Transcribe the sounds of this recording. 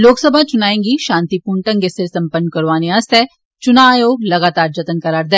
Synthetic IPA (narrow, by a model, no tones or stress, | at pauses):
loːksəbʱat͡ʃʊnaːẽːŋɡiʃãːnt̪ipuːɳʈə̃ŋkesɪɾsɐ̃mpənːkɐɾʋaːneɐst̪ʰɛː | t͡ʃʊnajoːɡlɐɡaːt̪aːɾd͡ʒɐt̪ənkɐɾaːɾd̪ɛː